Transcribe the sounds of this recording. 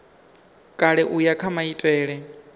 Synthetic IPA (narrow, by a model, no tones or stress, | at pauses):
kʼaɺɛʔujakʰamaitʼɛːɺɛ